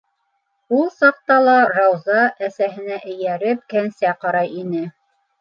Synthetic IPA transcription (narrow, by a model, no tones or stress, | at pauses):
ulˠsɑq̚t̪ɑlˠɑɾɑwzɑʔæsæɦɘ̆næʔɘ̆jæɾɘp̚kænsæqɑɾɑjinɘ